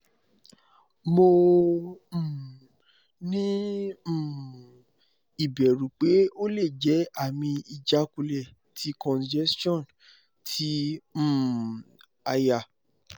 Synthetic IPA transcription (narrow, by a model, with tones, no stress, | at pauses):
mo˧˨ | nĩ˦˨ | i˨bɛ˨ɾũ˨k͡pe˨˦o˦le˦˨d͡ʒɛ˨˦a˦˨mĩ˧i˨d͡ʒa˨˦ku˧lɛ˦˨ | tʰi˨˦kɔ̃˨nd͡ʒɛ˦stɔ̃˦˨n | tʰĩ˨˦˨ | a˧ja˨